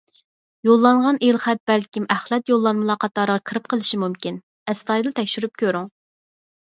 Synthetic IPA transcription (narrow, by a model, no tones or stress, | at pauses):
jolˠːɑɴʁɑnelˠχæt̪̚b̥ɛlkʲimæχlˠɛt̪jolˠːɑnmɨlˠɑqɑt̪lˠɑɾəʁɑkʰəɾɨp̚qʰəlˠɨʃimumkʲin | ɛst̪ɑjd̪t̪ʰɛkʲʃyɾyp̚kʲʰøɾyŋ